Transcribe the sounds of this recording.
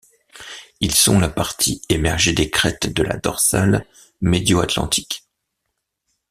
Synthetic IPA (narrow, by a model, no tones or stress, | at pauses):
ilsɔ̃lapaʁt̪ʰiemɛʁʒed̪ekχɛt̪d̪əla̰d̪ɔ̰ʁsal | med̪joat̪lɑ̰̃t̪ʰi̥k